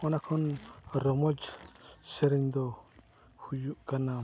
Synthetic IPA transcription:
ɔnakʰɔnɾɔmɔd͡ʒsɛɾɛɲd̪ɔ | hujuʔkana

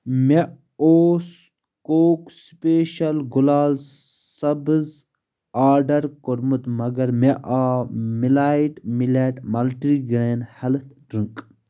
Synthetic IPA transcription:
me | oːs | koːkspeːʃɐlɡulaːlsɐbz | aːɾɖɐɾkoɾmut̪mɐɡɐɾmeʔaːmilaːjiʈmileʈmɐlʈɾiɡɾeːnhɐlt̪ʰɖɾiŋk

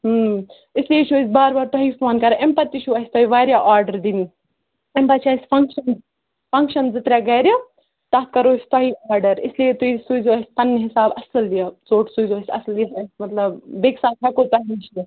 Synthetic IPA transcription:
ɦ | isliet͡ʃʰuɐsʲbaːɾbaːɾt̪ɔɦifoːnkɐɾempɐt̪ːit͡ʃʰuɐsʲt̪ɔɦiʋaːɾjaʔaːɾɖɐɾd̪ini | empɐt̪t͡ʃʰiɐsʲpʰɐŋkʃɐn | pɐŋkʃɐnzɨt̪ɾʲjaɡɐːɾʲjɐ | t̪ɐt̪kɐɾoːsʲt̪ɐɦiʔaːɾɖɐɾisliet̪uisuzoɐsʲp̪ɐnːɦisaːbɐsɨlːijɐt͡soːʈsuzoːsʲɐ̰sliɐsɐsʲmɐt̪lɐbbeːksaːt̪ʰɐkot̪ɐɦinit͡ʃʰi

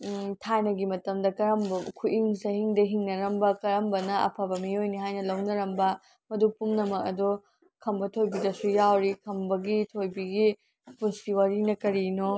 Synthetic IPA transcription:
tʰajnɐɡimɐtɐmdɐkɐɾɐmbɐkʰuʔiŋsɐhiŋdɐɦiŋnɐɾɐmbɐkɐɾɐmbɐnɐʔɐ̰pʰɐbɐmiojniɦajnɐlɐwnɐɾɐmbɐ | mɐdupumnɐmɐk̚ɐ̰do | kʰɐmbɐtʰojbidɐsujawɾikʰɐmbɐɡitʰojbiɡi | punstiwaɾinɐkɐɾino

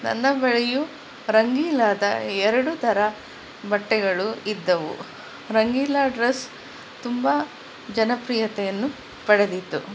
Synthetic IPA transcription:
nɐ̰nːɐbɐɭɛju | ɾɐŋɡiːlaːd̪ɐɛɾɐɽut̪ʰɐɾɐ | bɐʈːɛɡɐɭuid̪ːɐʋṵ | ɾɐŋɡiːlaːɖɾɐs | t̪umbɐ | d͡ʒɐnɐpɾijɐt̪ɛjɐnːu | pɐɽed̪it̪ːu

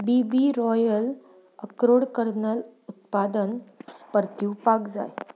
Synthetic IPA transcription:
bibiɾɔjəl | əkɾoɽkəɾnəlut̪̚pad̪ənpəɾt̪juʋpakd͡za̰j

